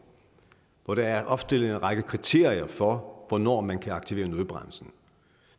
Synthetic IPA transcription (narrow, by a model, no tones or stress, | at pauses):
ʋɒɾ̥ɑ̈æɐʔɒ̽b̥sd̥e̝l̩ˠe̝nʁɑ̈ɡ̥əkʰʁit͡sʰe̝̰ɐ̰iɐfɒʋɒnɔ̰ːmænkʰæɑ̈ɡ̥t͡sʰiʋe̝ːɐnuðˠb̥ʁam̰l̩sn̩